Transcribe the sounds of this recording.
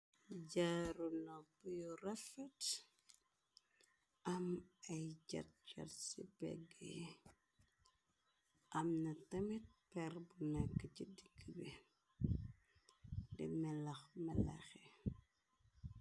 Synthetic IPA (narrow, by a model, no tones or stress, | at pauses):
ɟaɾunɔbujɔrɛfɛt | ɐmɐjɟɐ̰t̚d͡ʒɐ̰tsibɛ̰ɡːɛ | ʔɐmnɐtɐmit̚pɛrbunɛkːəcidiɡːəbi | dɛmɛlɐxmɛlɛ̰xɛ